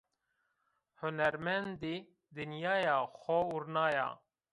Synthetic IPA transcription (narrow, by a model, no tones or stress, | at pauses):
hʊnɛɾmɛnd̪i | d̪ɨnjɑːjɑːxɔuɾnaːjɑ̰ː